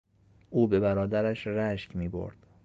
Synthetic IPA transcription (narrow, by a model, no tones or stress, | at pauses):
ʔuːbe̞bæɾɒːd̪æɾæʃɾæʃcmiːbo̰ɾd̪̥